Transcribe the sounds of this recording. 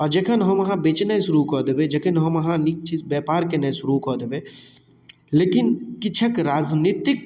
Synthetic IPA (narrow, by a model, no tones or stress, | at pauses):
ɔɾd͡ʒekʰɐnɦɔmɐɦãbeːt͡ʃnasʊɾukɔːd̪ebed͡ʒɐkʰenɦɔmɐɦãnik̚t͡ʃiːzbɛːpaːɾkenesʊɾukɔːd̪ebe | leːkɪnkɪt͡ʃʰəkɾaːd͡ʒniːt̪ɪk̚